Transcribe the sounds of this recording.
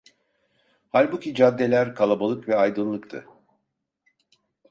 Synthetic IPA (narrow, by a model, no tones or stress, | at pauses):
halʲbucʲid͡ʒad̪ːe̞lʲæɾkʰalˠabalˠɯkvɛajd̪ɯnlˠɯkt̪ʰɯ̰